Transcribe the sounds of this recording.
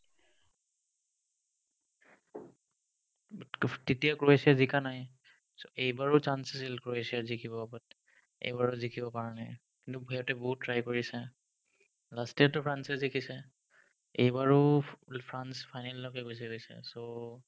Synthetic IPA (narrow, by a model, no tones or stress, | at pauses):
tetijakɹoesijazikanaj | soʔejbaɹɔt͡ʃanseselkɹoesijazikʰibɔabɔt̚ | ḛjbaɹʊzikʰibɔpaɹanaj | kintubʱɔjɔtɛboɦut̚ːɹajkoɹisɛ | lastiatʊpʰɹansɛzikʰisɛ | ḛjbaɹʊpʰɹanspʰajnalːɔkɛkos̬iɡojsɛ̰so